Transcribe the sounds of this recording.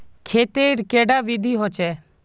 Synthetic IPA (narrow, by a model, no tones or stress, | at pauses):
kʰeːt̪eːɽkeːɖaːʋid̪ʱiːɦoːt͡ʃɛː